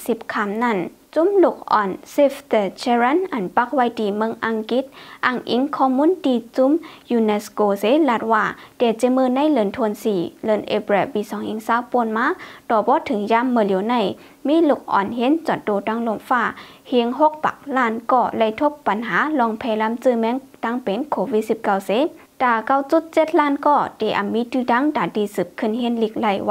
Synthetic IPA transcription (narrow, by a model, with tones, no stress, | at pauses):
si˧˩p̚kʰa˧˩mna˧˥˨n | t͡ɕu˧˥mlu˧˩k̚ʔɔː˨˩nsi˧ft̪ə˧t͡ɕʰɛ˧ɾa˧˥˨nʔa˨˩npa˧˦k̚wa˧˨jdiː˨˩mɯ˧˨ŋʔa˧˨ŋki˧˦t̪̚ʔa˧˩ŋʔḭ˧˦ŋkʰɔː˧˨muː˧˥˨ndiː˧˩t͡ɕu˧˥˨mjuː˧ne˧skoː˧˨se˧˦la˧˩t̪̚waː˧˩dɛː˧˩t͡ɕe˧˦mɯː˧˨na˧˥˨jlɤ˧˩˨nt̪ʰo˧˨nsiː˨˩lɤ˧˩˨nʔḛ˧˩bɾɛ˧˩biː˧˨sɔː˨˦ŋʔi˧ŋsaː˧˥˨wpo˧˨nmaː˧˥˨t̪ɔː˧˩bɔː˧˦t̪ʰɯ˨˦ŋjaː˧˥˨mːɯː˧˨li˨˦na˧˩˨j | miː˧˥˨lu˧˩k̚ʔɔ̰ː˨˩nɦe˧˥˨nt͡ɕɔ˧˨˩t̪̚doː˧˩ta˧˥˨ŋlo˧˩˨mfaː˧˩˨ | hi˧əŋɦo˧˥˦k̚pa̰˨˦k̚laː˧˥˨nkɔː˧˩lɛ˧˩jt̪ʰo˧˦p̚ːa˨˦nɦaː˨˦lɔː˧˨ŋpʰɛː˧˩la˧˥˨mt͡sɯː˧˨mɛ˧˥˨ŋt̪a˧˥˨ŋpe˨˦nkʰoː˧˨wi˧t̪̚si˧p̚ka˧˨wse˧˦ | d̥aː˧˩ka˧˨wt͡ɕu˧˦t̪̚t͡ɕe˧˥t̪̚laː˧˥˨nkɔː˧˩dɛ˨˩ʔa˨˩mːiː˧˦t̪ɯː˧da˧˥˨ŋdaː˨˩diː˧˩sɯ˨˩p̚kʰɯ˧˩˨nɦe˧˥˨nli˧˩k̚la˧˩˨j